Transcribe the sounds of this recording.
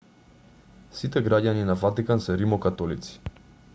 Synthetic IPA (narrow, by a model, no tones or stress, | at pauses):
sit̪ɛɡɾaɟaninavat̪ikansɛɾimɔkat̪ɔlit̪si̥